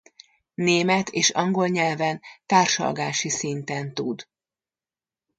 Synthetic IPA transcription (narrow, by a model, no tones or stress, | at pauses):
neːmɛt̪ʰeːʃɒŋɡo̞lɲɛlvɛnt̪aːrʃɒ̰lɡaːʃisint̪ɛnt̪ud̪